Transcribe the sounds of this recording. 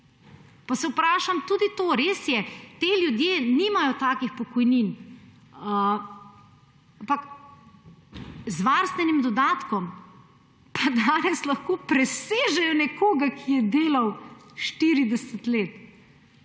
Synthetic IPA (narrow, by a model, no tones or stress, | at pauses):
pasɛupɾaːʃamt̪uːd̪it̪oːɾeːsjɛt̪eːljud̪jeːniːmajɔt̪aːkixpɔkɔjnin | ampak | zʋaːɾst̪ʋɛnimd̪ɔd̪aːt̪kɔm | pʰad̪aːnɛslɐxkoːpɾɛseːʒɛjɔnɛkoːɡakʰijɛd̪eːlawʃt̪iɾid̪ɛsɛt̪leːt̪